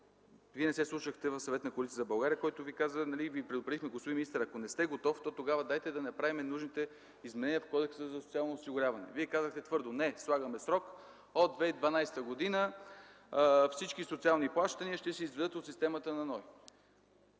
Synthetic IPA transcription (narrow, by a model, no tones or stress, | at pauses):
viɛnɛsɛslˠuʃəxt̪ɛvɐfsɐvɛt̪nɐkoɐlit̪ijəzɐbɐlˠɡaɾiəkɔjt̪ʊvikazənɐlivipɾɛd̪opɾɛd̪ixmɛɡospodiminist̪əɾɐkonɛst̪ɛɡot̪ɔft̪ɔt̪oɡavəd̪ajt̪ɛd̪ɐnɐpɾavimɛnuʒnit̪ɛ | izmɛnɛniəfkɔd̪ɛksəzɐsot̪sialˠnoːsiɡʊɾʲjavɐnɛ̰viɛkazəxt̪ɛt̪vɤɾd̪onɛslˠaɡəmɛsɾɔk | od̪ːvɛid̪vɐnajst̪əɡod̪inə | fsit͡ʃkisot̪sialˠniplˠaʃt̪əniəʃt̪ɛsɛizvɛd̪ɤt̪ot̪sist̪ɛmɐt̪ənɐnɔj